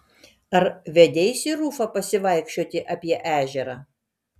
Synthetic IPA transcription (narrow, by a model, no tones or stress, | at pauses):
ɐɾʋʲɛd̪ʲeɪsʲiɾuːfɐpɐsʲɪʋɐˑɪkʃʲt͡ʃʲoːt̪ʲɪʔɐpʲiɛʔæːʒʲɛɾɑː